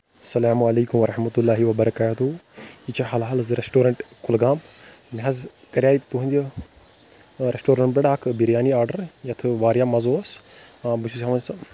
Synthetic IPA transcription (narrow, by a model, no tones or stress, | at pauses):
ɐsɐlaːmuɐlɐːkumʋɐɾɐħmɐt̪ulːaːɦiʋɐbɐɾɐkaːt̪uit͡ʃʰaɦaːlɦaːlɐzɾesʈoːɾɐɳʈkulɡaːmb | miɦɐz | kɐɾʲjaːit̪uɦind̪ | ɾesʈoːɾɐɳʈbɐɽaːkʰbiɾjaːniaːɾɖɐɾjɐt̪ʰɨʋaːɾjaːmɐzoːɐs | abusʰusaːʋɐns